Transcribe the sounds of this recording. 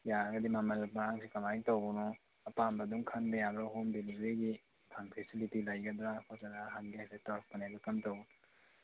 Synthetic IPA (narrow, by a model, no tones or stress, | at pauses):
jaɡɐdimamɐlmɐɾaŋsikɐmajŋtownɔ | ɐpambɐduŋkʰɐnbɐjabɾaɦomdelibɾiɡi | pʰaŋpʰesilitilajɡɐdɾakʰɔsaɾaɦanɡiajsetaɾfpɐnebɐkɐmtow